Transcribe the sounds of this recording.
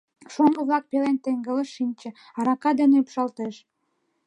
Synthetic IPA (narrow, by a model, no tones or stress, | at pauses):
ʃoŋɡə̆βlɑk̚pelent̪eŋɡələʃinʲt͡ɕĕ | ɑɾɑkɑd̪eneypʃɑlt̪eʃ